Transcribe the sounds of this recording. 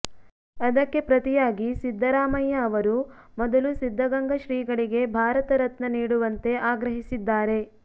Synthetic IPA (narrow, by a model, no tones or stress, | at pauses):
ɐd̪ɐkːe̞pɾɐt̪ijaːɡisid̪ʱːɐɾaːmɐjːɐːʋɐɾumɔd̪ɐlusid̪ʱːɐɡɐŋɡɐʃɾiːɡɐɭiɡe̞bʱaːɾɐt̪ɐɾɐt̪nɐniːɽuʋɐnt̪e̞ʔaːɡɾɐɦisid̪ːaːɾe̞